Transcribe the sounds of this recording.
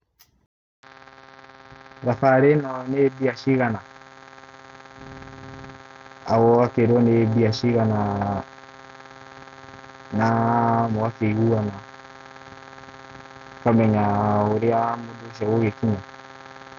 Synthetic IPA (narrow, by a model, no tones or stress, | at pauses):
ɡafaɾenawɔnebiaʃiɣana | awɔwakeɾɔnebiaʃiɣana | namɔwafeɣuana | kamɛɲaoɾeamoduʃ̬awoɣekiɲa